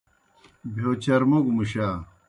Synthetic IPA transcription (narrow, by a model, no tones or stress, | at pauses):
bʱjoːt͡ɕɐɾmoɡumuɕaː